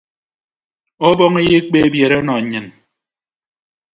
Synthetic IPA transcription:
ɔ˦bɔ˦ŋe˦je˦k͡pe˦bje˨ɾe˦ɔ˦nɔ˨ɲɨ˨n

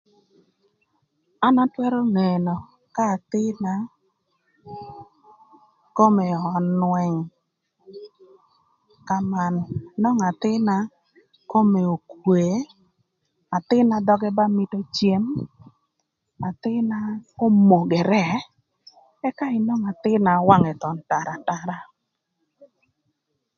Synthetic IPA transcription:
a˦na˦twɛ˦ɾɔ˦ŋe˨no˨ | ka˦˨t̪ɪ˦na˦ | ko˦me˨ɔ˨nwɛ˨ŋ | ka˨ma˨n˨nɔ˦ŋa˨t̪ɪ˦na˦ | ko˦me˨o˨kwe˨ | a˨t̪ɪ˦na˨d̪ɔ˦ɡɛ˦ba˦mɪ˦to˦t͡ʃje˦m | a˨t̪ɪ˦na˦o˦mo˨ɡɛ˨ɾɛ˦ | ɛ˦ka˦ɪ˨nɔ˦ŋa˨t̪ɪ˦na˨˦wa˦ŋɛ˨t̪ɔ˨nta˨ɾa˨ta˨ɾa˦

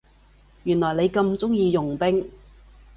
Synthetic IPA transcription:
jyː˨˩nlɔː˨˩jne˨˧jkɐ˧mt͡sʊ˥ŋjiː˧jʊ˨˩ŋpɪ˥ŋ

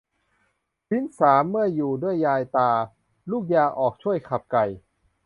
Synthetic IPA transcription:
si˦˥nsaː˩˦mːɯ˥˩ɐjuː˨˩du˥˩əjːaː˧jt̪aː˧ | luː˥˩k̚jaː˧ʔɔː˨˩k̚t͡ɕʰu˥˩əjkʰa˨˩p̚ka˨˩j

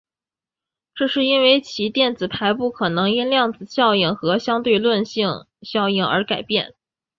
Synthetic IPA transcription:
ʈ͡ʂɤ˥˧ʂɻ̩˥˧i˥nwe˥˧ɪt͡ɕʰi˧˥t̪jɛ˥˩nt͡sɹ̩˨˩pʰa˧˥ɪpu˥˩kʰɤ˨˩nɤ˧˥ŋi˥nljɑ˥˩ŋt͡sɹ̩˨˩ɕjɑ˥˧ʊi˥˩ŋxɤ˧˥ɕjɑ˥ŋt̪we˥˧ɪlwə˥˧nɕi˥˩ŋ | ɕjɑ˥˧ʊi˥˩ŋə̰˞˧˥ka˨˩ɪpjɛ̰˥˩n

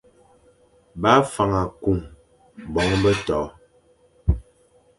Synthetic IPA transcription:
ba˦fa˨ŋa˨ku˨ŋ | bɔ˨˦ŋbə˦tɔ˨˦

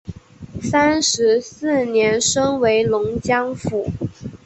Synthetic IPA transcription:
sa˥nʂɻ̩˧˥sɹ̩˥˩njɛ˧˥nʂɤ˥ŋwe˧˥ɪlʊ˧˥ŋt͡ɕjɑ˥ŋfu˨˩˦

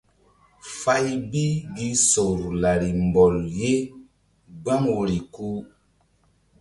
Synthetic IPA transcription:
fa˦jbi˦ɡi˦so˨ɾla˨ɾi˨mbɔ˨lje˦ | ɡ͡ba˦ŋwo˨ɾi˨ku˦

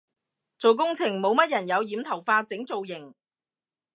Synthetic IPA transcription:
t͡so˨wk̬ʊ˥ŋt͡sʰɪ˨˩ŋmo˨˧wmɐ˥t̚jɐ˨˩njɐ˨˧wjiː˨˧mt̪ʰɐ˨˩wfaː˧t͡sɪ˨˥ŋt͡so˨wjɪ˨˩ŋ

